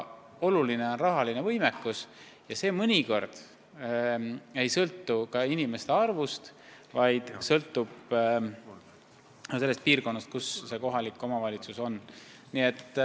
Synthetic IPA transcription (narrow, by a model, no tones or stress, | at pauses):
o̞luline̞o̞nrɑɦɑline̞vɤjmekːˑus | jɑse̞ːmɤnʲiko̞rd̪̥ | e̞jsɤlt̪ːukɑinime̞st̪eɑrvust̪ | vɑjd̪̥sɤlt̪ːˑub̥ | se̞lːest̪̚piːrko̞nːɑst̪̚kusse̞ko̞ɦɑlikːˑo̞mɑvɑlʲit̪suso̞n | niet̪ː